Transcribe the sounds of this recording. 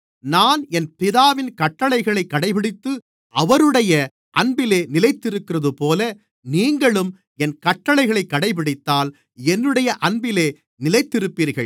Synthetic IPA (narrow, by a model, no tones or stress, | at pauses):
naːnɛnpɪðaːʋɪnkɐʈːɐɭɐɪɣɐɭɐɪkːɐɽɐɪpɪɽɪt̪ːɯ | ʔɐʋɐɾɯɽɐjɐ | ʔɐɳbɪleːnɪlɐɪt̪ːɪɾɯkːɪrɐðɯpoːlɐ | niːŋɡɐɭɯm | ɛnkɐʈːɐɭɐɪɣɐɭɐɪkːɐɽɐɪp̬ɪɽɪt̪ːaːl | ɛnːɯɽɐjɐʔɐnbɪleː | nɪlɐɪt̪ːɪɾɯpːiːɾɣɐɭ